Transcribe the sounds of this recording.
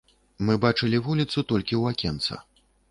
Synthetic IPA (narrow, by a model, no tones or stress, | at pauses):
mɨbat͡ʂɨlʲivulʲit̪sut̪ɔlʲkʲiwakʲɛnt̪sɐ̰